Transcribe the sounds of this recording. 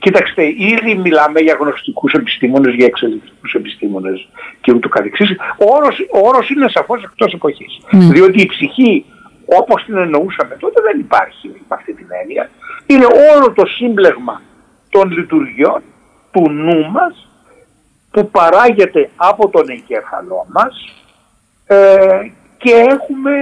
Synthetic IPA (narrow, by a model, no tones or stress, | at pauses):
cit̪ɐkst̪e̞iðimilɐmeʝɐɣno̞st̪ikuse̞pi̥st̪imo̞ne̞zʝɐeksoðifi̥kusepist̪imo̞ne̞sceut̪ukɐθeksisioɾosooɾo̞sine̞sɐfo̞se̞k̚t̪o̞se̞po̞çisðio̞t̪̬iːpsiçi | o̞po̞st̪ine̞no̞usɐmet̪o̞t̪e̞ðe̞nipɐ̰ɾçiɐft̪it̪ine̞̰niɐ̰ine̞ʔo̞lo̞t̪o̞simble̞ɣmɐ̰ | t̪o̞nlit̪uɾʝio̞n | t̪unumɐs | pupɐɾɐʝe̞t̪e̞ɐpo̞t̪o̞ne̞ɲɟeɾθɐ̰lo̞mɐs | ce̞e̞xume̞